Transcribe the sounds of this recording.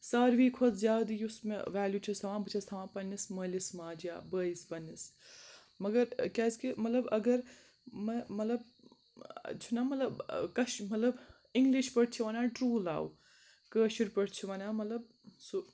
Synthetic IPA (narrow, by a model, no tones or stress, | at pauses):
saːɾʋiːkʰot̪zjaːd̪ijusmḛʋæːljuːt͡ʃʰist̪ʰɐʋãːbɨt͡ʃʰɐst̪ʰɐʋãːpɐnːisməːlismaːd͡ʒja̰ːbəːispɐnːis | mɐɡɐɾkʲaːskimɐt̪lɐbɐɡɐɾ | mɐmɐt̪lɐb | t͡ʃʰunamɐt̪lɐbkɐʃmɐt̪lɐb | iŋɡliʃpɐɽt͡ʃʰiʋaːnaːʈɾuːla̰ːw̰ | kəːʃiɾpɐɽt͡ʃʰiʋaːnaːmɐt̪lɐb̚ | su